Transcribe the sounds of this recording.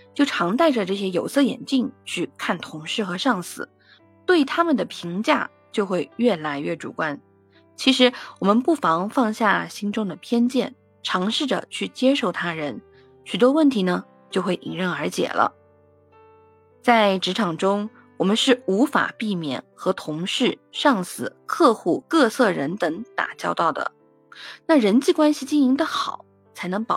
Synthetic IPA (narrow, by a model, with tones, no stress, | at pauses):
t͡ɕjo˥˩ʊʈ͡ʂʰɑ˧˥ŋt̪a˥˩ɪʈ͡ʂə˩ʈ͡ʂɤ˥˩ɕ̬jɛ˥jo˨˩ʊsɤ˥˩jɛ̰˨˩nt͡ɕi˥˧ŋt͡ɕʰy˥˧kʰa˥˩nt̪ʰʊ˧˥ŋʂɻ̩˥˩xɤ˧˥ʂɑ˥˩ŋsɹ̩˨˩˦ | t̪we˥˩ɪt̪ʰa˥mə˨nd̪ə˩pʰi˧˥ŋt͡ɕja̰˥˩ | t͡ɕjo˥˧ʊxwe˥˧ɪɥɛ˥˩la˧˥ɪɥɛ˥˩ʈ͡ʂṵ˨˩kwa˥n | t͡ɕʰi˧˥ʂɻ̩˧˥wɔ˨˩mə˧˦npu˥˩fɑ˧˥ŋfɑ˥˧ŋɕja˥˩ɕi˥ŋʈ͡ʂʊ˥ŋd̪ə˨pʰjɛ˥nt͡ɕjɛ˥˩n | ʈ͡ʂʰɑ˧˥ŋʂɻ̩˥˩də̰˩t͡ɕʰy˥˩t͡ɕjɛ˥ʂo˥˩ʊt̪ʰa˥ɻə˧˥n | ɕy˨˩t̪wɔ˥wə˥˩nt̪ʰi˧˥nə˧ | t͡ɕjo˥˧ʊxwe˥˩ɪʔi˨˩ŋɻə˥˩nə˞˧˥t͡ɕjɛ̰˨˩lʔə̰˦ | t͡sa˥˩ɪʈ͡ʂɻ̩˧˥ʈ͡ʂʰɑ˨˩ŋʈ͡ʂʊ˥ŋ | wɔ˨˩mə˦nʂɻ̩˥˩u˧˥fa̰˨˩pi˥˩mjɛ̰˨˩˦nxɤ˧˥t̪ʰʊ˧˥ŋʂɻ̩˥˩ʂɑ˥˩ŋsɹ̩˨˩kʰɤ˥˧xu˥˩kɤ˥˧sɤ˥˩ɻə˧˥nt̪ɤ˧˥ŋt̪a̰˨˩t͡ɕjɑ˥ʊt̪ɑ˥˩ʊd̪ə̰˩ | na˥˩ɻə˧˥nt͡ɕi˥˩kwa˥nɕi˨˩t͡ɕi˥˩ŋi˧˥ŋd̪ə˧xɑ˨˩˦ʊ | t͡sʰa˧˥ɪnɤ˧˥ŋpɑ˨˩